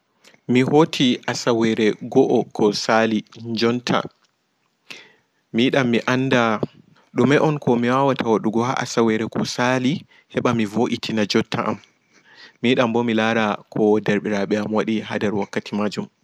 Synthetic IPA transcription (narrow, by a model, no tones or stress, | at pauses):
mihotʰiʔasawɛɾɛɡɔʔɔkʰɔsaliɲd͡ʒɔntʰa̰ | miɗamːiʔanːda | ɗumɛʔɔnkʰɔmiwawatʰawaɗuɡɔha̰ʔa̰sawɛɾɛkɔsali | hɛɓamivoʔitʰinad͡ʒɔtːaʔa̰mː | iiɗambɔmilaɾakʰɔdɛɾɓiɾaɓɛamwaɗiɦadɛɾwakːatʰimad͡ʒum